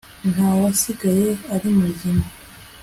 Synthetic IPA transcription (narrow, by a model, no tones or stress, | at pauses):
nawasiɡajeaɾimuɟina